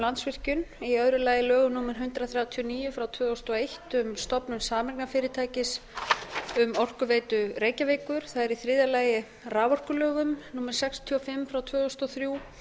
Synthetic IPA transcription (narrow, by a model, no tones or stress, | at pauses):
lant̪svɪr̥cʏniœðɾʏlaːjɪlœːɣʏmnuːmɛɾ̥ɦʏnt̪ɾaθɾjawt̪ʰiɔniːjʏfɾawt̪ʰvœːɔst̪ɔejht̪ʏmst̪ɔpnʏmsaːmɛɾknafɪːɾɪt̪ʰaːjcɪs | ʏmɔr̥kʏveːjt̪ʏɾeːjcaveːkʏɾ̥θaðɛɾiθɾɪːðalaːjɪ | raːvɔr̥kʏlœːɣʏmnuːmɛɾ̥sɛkst̪ʰiɔfɪmfɾawt̪ʰvœːɔst̪ɔθɾjuː